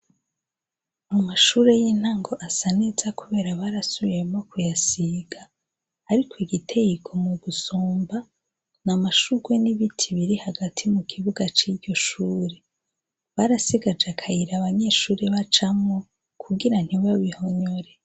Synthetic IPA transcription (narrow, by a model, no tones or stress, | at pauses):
mumaʃuːɾe̞jiːn̥haːŋɡo̞ʔasanezakuβe̞ːɾaβaɾasuβijemokujasiɡ̥aː | ɾikʰoiɡitʰe̞jikʰo̞muɡusoːmba | namaʃuɡweniβitʰiβiɾihaɡatʰimukʰiβuɡat͡ʃiɟo̞ʃuːɾe̞ | βaɾasiɡad͡ʒeakʰajiɾaβaɲe̞ːʃuːɾeβat͡ʃamŋo | kʰuɡiɾan̥hiβaβiho̞ɲo̞ɾe